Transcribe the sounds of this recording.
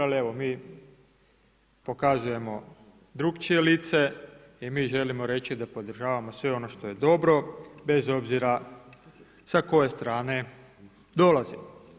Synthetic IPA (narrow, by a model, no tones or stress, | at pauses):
alie̞ʋo̞miː | po̞kazuje̞mo̞ | d̪ɾuɡt͡ʃie̞liːt̪se̞ | imiːʒe̞limo̞ɾe̞t͡ɕid̪apo̞d̪ɾ̩r̩ʒaːʋamo̞sʋe̞o̞no̞ʃt̪o̞je̞d̪o̞bɾo̞be̞zo̞bziɾa | sako̞je̞st̪ɾaːne̞ | d̪o̞lazim